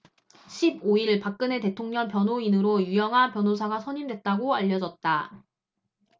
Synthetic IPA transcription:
ɕʰiboiɭpak̚k͈ɯne̞te̞tʰoŋɲʌŋpjʌnɦoinɯɾojujʌŋɦanpjʌnosʰaɡasʰʌɲimdwe̞t̚t͈aɡoaʎːʌd͡ʑʌt̚t͈a

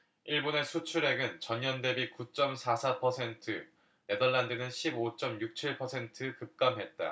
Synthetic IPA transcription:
iɭbone̞sʰut͡ɕʰuɾe̞ɡɯnt͡ɕʌɲːʌnde̞bikut͡ɕ͈ʌmsʰasʰapʰʌsʰe̞ntʰɯ | ne̞dʌɭːandɯnɯnɕʰibot͡ɕ͈ʌmjuk̚t͡ɕʰiɭpʰʌsʰe̞ntʰɯkɯp̚k͈amɦe̞t̚t͈a̰

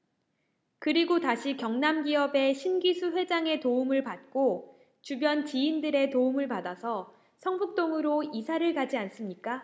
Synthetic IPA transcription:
kɯɾiɡotaɕʰikjʌŋnamɡiʌbe̞ɕʰinɡisʰuɸwe̞d͡ʑaŋe̞toumɯɭpat̚k͈o | t͡ɕubjʌnt͡ɕiːndɯɾe̞toumɯɭpadasʰʌ | sʰʌŋbuk̚t͈oŋɯɾoisʰaɾɯɭkad͡ʑians͈ɯmɲik͈a

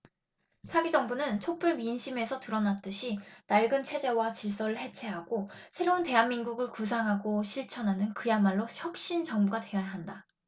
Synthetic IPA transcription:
sʰaɡid͡ʑʌŋbunɯnt͡ɕʰop͈ʰɯɭminɕʰime̞sʰʌtɯɾʌnat͈ɯɕʰinaɭɡɯnt͡ɕʰe̞d͡ʑe̞wat͡ɕiɭs͈ʌɾɯɭhe̞t͡ɕʰe̞ɦaɡosʰe̞ɾounte̞ɦanmːinɡuɡɯɭkus̬ʰaŋɦaɡoɕʰiɭt͡ɕʰʌnɦanɯnkɯjamaɭːoçjʌk̚ɕ͈int͡ɕʌŋbuɡate̞ʌjaɦanda

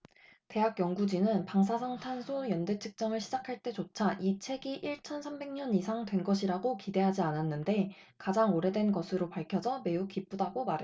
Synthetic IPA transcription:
te̞ɦak͈̚jʌŋɡud͡ʑinɯnpaŋs̬ʰasʰʌŋtʰansʰojʌnde̞t͡ɕʰɯ̥k̚t͡ɕ͈ʌmɯɭɕʰid͡ʑakʰaɭt͈e̞t͡ɕot͡ɕʰaʔit͡ɕʰe̞ɡiʔiɭt͡ɕʰʌnsʰambe̞ŋɲʌnisʰaŋdwe̞nɡʌɕʰiɾaɡokide̞ɦad͡ʑiananːɯnde̞ | kad͡ʑaŋoɾe̞dwe̞nɡʌsʰɯɾopaɭkʰjʌd͡ʑʰʌme̞ukip͈udaɡomaɾe

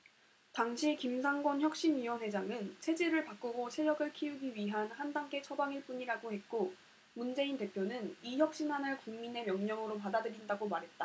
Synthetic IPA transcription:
taŋɕʰikimsʰaŋɡwʌnçjʌk̚ɕ͈inɥiwʌnɦwe̞d͡ʑaŋɯnt͡ɕʰe̞d͡ʑeɾɯɭpak͈uɡot͡ɕʰe̞ɾjʌɡɯɭkʰiuɡiɥiɦanhandaŋɡe̞t͡ɕʰʌbaŋiɭp͈uɲiɾaɡohe̞t̚k͈o | mund͡ʑe̞inte̞pʰjonɯniçjʌk̚ɕ͈inɦanɯɭkuŋmine̞mjʌŋɲʌŋɯɾop̬adadɯɾindaɡomaɾɦe̞t̚t͈a

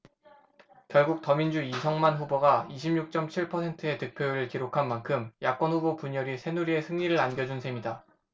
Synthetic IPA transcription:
kjʌɭɡuk̚t͈ʌmind͡ʑuisʰʌŋmanɸuboɡaiɕʰimɲuk̚t͡ɕ͈ʌmt͡ɕʰiɭpʰʌsʰe̞ntʰɯe̞tɯk̚pʰjoɾɯɭkiɾokʰanmankʰɯmjak͈̚ʌnɸubopuɲʌɾisʰe̞nuɾie̞sʰɯŋɲiɾɯɾanɡjʌd͡ʑunsʰe̞mida

